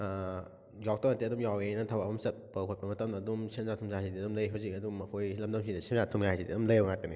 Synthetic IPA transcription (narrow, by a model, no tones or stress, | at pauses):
jɔk̚tɔnateɐdumjawenɐtʰawabumsɐt̚pɐkʰɔt̚pɐmɐtɐmdɐːdumsinzatʰumsʰaazidiɐdumlɐjɦawzikɐdumɐkʰojlɐmdɐmsʰidɐsinzatʰumjaɦajzidḭɐdumlɐjawŋat̚kɐni